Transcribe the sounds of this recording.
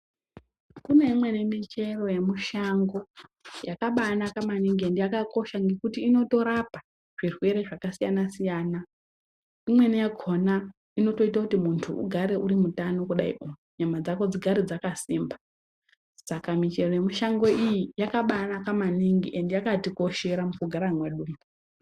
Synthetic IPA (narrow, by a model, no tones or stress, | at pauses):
kune̞imwe̞nemit͡ʃe̞ro̞je̞muʃaŋɡo̞jakaɓanakamaniŋɡie̞ndejakako̞ʃaŋɡe̞kutiːno̞to̞ɾapa | ʐ̥irwe̞ɾe̞ʐakasijanasijaːna | imwe̞nijaɡʱona | ino̞to̞itakutimuntʰuṵɡʱaɾe̞ʔuɾimutano̞kuɗa̰ḭʔomuɲamad͡zako̞d͡ziɡʱaɾid͡zakasiːmba | sakamit͡ʃe̞roje̞muʃaŋɡo̞ijijakaɓanakamaniŋɡiʔe̞ndejakatiko̞ʃe̞ɾamukuɡʱaɾaŋwaɗuːm